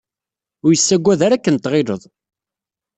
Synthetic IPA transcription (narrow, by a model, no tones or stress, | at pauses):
ʊɾjəsːæɡʷːæðaɾækːənt̪ːʁɪlə̰ðˤ